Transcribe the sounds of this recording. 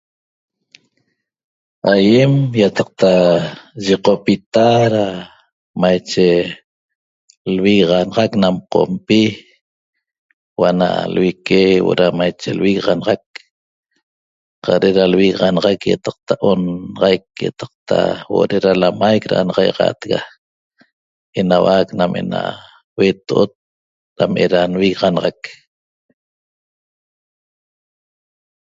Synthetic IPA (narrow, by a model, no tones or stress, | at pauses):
ajemjat̪ɑq̚t̪aʒiqopit̪aɾa | majt͡ʃe | lwiɣʁɑnɑʁɑknamqo̰mpi | wana̰lwikewoɾamajt͡ʃḛlwiɣʁɑnɑʁɑk̚ | qɑɾeʔɾalwiɣʁɑnʁɑkjat̪ɑq̚t̪aʔonɑʁɑjkjat̪ɑ̥q̚t̪ʰa̰woʔɾeɾalamajkɾa̰ʔnʁɑjʁɑ̰t̪ɣa | enawaknamʔena̰ | wet̪oʔot̪̚ | ɾamʔeɾanwiɣʁɑnɑʁɑk